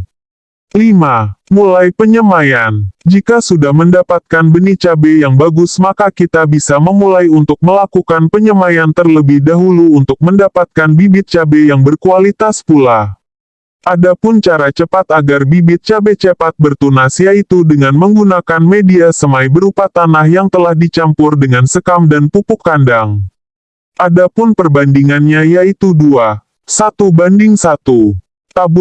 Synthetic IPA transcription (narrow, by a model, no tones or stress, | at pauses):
limamulajpəɲəmajand͡ʒikasudahməndapat̪̚kanbənit͡ʃabejaŋbaɡʊsmakakit̪abisaməmulajunt̪ʊk̚məlakukanpəɲəmajant̪ərləbɪhdaɦuluːnt̪ʊk̚məndapat̪̚kanbibɪt̪̚t͡ʃabejaŋbərkualit̪aspula | ʔadapʊnt͡ʃaɾat͡ʃəpat̪aɡarbibɪt̪̚t͡ʃabet͡ʃəpat̪̚bərt̪unasjait̪udəŋanməŋɡunakanmediasəmaijbəɾupat̪anahjaŋt̪əlahdit͡ʃampʊrdəŋansəkamdanpupʊkːandaŋ | ʔadapʊnpərbandiŋanɲajait̪udua | sat̪ubandɪŋsat̪u | t̪abʊ